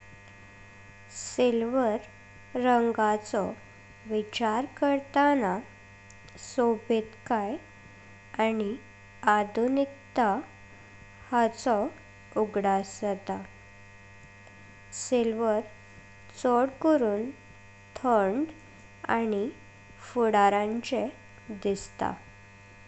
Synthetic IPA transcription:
selʋəɾː | əŋɡat͡sɔ | ʋit͡ɕaɾkəɾt̪ana | sobʱet̪kaj | ani | ad̪ʱunikt̪a | hat͡sɔ | uɡɽasət̪a | selʋəɾ | t͡sɔɽkəɾuːn | t̪ʰəɳɖ | a̰ni | fuɽaɾãɲt͡ɕe | d̪ist̪a̰

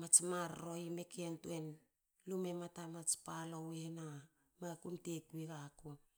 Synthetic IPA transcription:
mat͡ʃmaɾɾo̞jme̞kentuen | lume̞matamat͡ʃpalowena | makumtekβiɡako

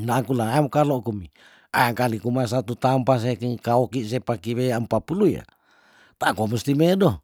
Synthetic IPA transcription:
nakulaamokalokumi | aaŋkalikumas̬at̪ut̪ampas̬ekkaokiʔs̬epakiβeampapuluja̰ | t̪akomust̪imedo

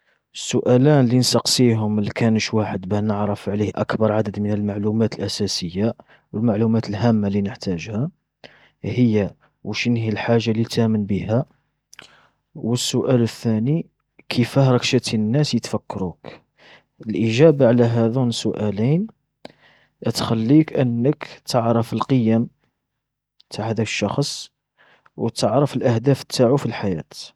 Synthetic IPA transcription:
əsːʊʔælænlinsɑqsiɦʊmlkʰænʃwaħəd̪bænəʕɾəfʕlihʔæ̰kbɑɾˤʕad̪əd̪mənəlmaʕlumæt̪əlʔæsæsəjːa | wəlmaʕlumæt̪əlɦæmːalinəħt̪æʒhæ | həjːa | wəʃnhilħaʒːalit̪ʔæmənbəhæ | wəsːʊʔæləθːæni | kʰəfəhɾˤɑkʃət̪ənːæsjət̪fækːɑɾuk | əlʔiʒæbaʕlæɦæd̪unəsːʊʔælæjn | ʔət̪xælːikʔənːəkt̪ʰəʕɾˤəfəlqəjəm | t̪ʰaʕhæd̪ækə̥ʃːɑxsˤ | wət̪əʕɾəfəlʔəhd̪æfə̥t̪ːaʕufilħajæt̪

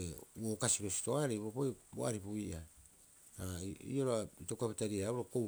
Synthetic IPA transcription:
ewokasiɾo̞si̥to̞aɾejbɾopojboa̰ɾipuiʔa | aḭoɾoaitokapitaɾiaɾauɾoko

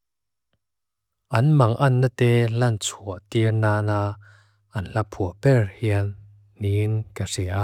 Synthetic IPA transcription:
ʔɐnmɐŋʔɐnːət̪ɛːlɐnt͡sʰuəʔt̪irnaːnaː | ʔɐnɬɐpʰuəʔpɛrhiən | ninkɐsiʔaʔ

